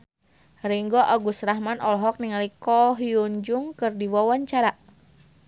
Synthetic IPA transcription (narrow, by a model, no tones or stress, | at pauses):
riŋɡɔʔaɡusɾaɦmanʔɔlɔɦɔk̚niŋalikɔɦiuɲd͡ʒuŋkɨrdiwawaɲt͡ʃaɾa